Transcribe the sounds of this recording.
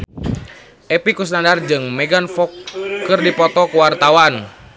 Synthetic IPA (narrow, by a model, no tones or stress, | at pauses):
ʔɛpikus̬nandard͡ʒɨŋmɛɡanfɔkːɨrdipɔt̪ɔkəwart̪awan